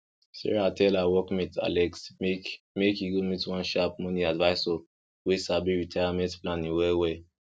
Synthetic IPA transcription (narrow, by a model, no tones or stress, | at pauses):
sɛ̰ɹatɛlawɔkmĩta̰lɛksme | mekiɡomitwãnʃap̚mɔ̃nĩadvaɪso | wesabiɹitʰajamɛ̃ntplãnĩwɛlwɛ